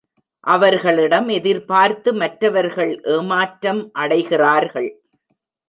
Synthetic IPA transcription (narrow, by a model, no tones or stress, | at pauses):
ʔɐʋɐɾɣɐɭɪɽɐmɛðɪɾpaːɾt̪ɯmɐʈɾɐʋɐɾɣɐɭʔeːmaːʈɾɐmʔɐɽɐɪɣɪraːɾɣɐɭ